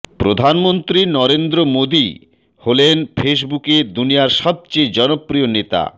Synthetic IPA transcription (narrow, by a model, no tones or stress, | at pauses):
pɾod̪ʱanmont̪ɾinɔɾend̪ɾomod̪i | holenfʰeʃ̬buked̪unijaɾʃɔb̚t͡ɕejd͡ʑɔnopːɾionet̪a̰